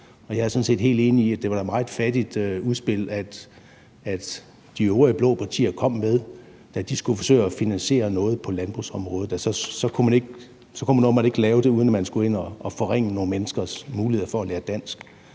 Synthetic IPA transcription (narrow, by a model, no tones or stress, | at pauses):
ɒ̽jɑ̈æɐsɔ̽nsḛːd̥ɦe̝̰ːld̥e̝ːniiæ̥d̥e̝ʋɑ̈ɾ̥ɑ̈mɑ̈ːð̩dfæd̥id̥øuð̞ˠsb̥e̝l̰æd̥ | æd̥ | d̥ioːɐəb̥lɔ̽ːpʰɑ̈t͡sʰḭːɐkʰɒ̽m̰meðˠ | d̥æd̥isɡ̥ufɒ̽sø̰ːɪɒfinænse̝̰ːɐnɔ̽ːð̞̩ˠpʰɒ̽lænb̥ʁusɒ̽mʁɔːð̩ˠæsɒ̽sɒ̽kʰumæne̝ɡ̥ | sɒ̽kʰumænɒmɑ̥e̝ɡ̥lɛːʊd̥e̝uːð̞ˠnæmænsɡ̥ue̝n̰ɒːfɒ̽ʁeŋ̰əno̝ːn̩menəsɡ̥ɐsmuːlihe̝ð̞̰ˠɐfɒ̽ælæːɐd̥æn̰sɡ̥